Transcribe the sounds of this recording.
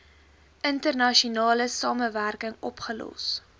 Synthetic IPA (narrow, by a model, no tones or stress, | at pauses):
ʔəntərnɐʃunɑːləsɑːməværkəŋɔpχəlɔ̰s